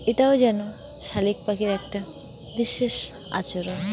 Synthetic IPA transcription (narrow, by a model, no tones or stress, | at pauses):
eʈaod͡ʑɛno | ʃalik̚pakeɾɛk̚ʈa | biʃeʃ | a̰t͡ɕoɾo